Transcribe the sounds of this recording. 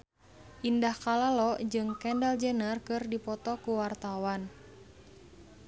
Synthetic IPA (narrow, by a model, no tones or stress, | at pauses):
ʔindahkalalɔʔd͡ʒɨŋkɛndald͡ʒənarkɨrdipɔt̪ɔkuwart̪awan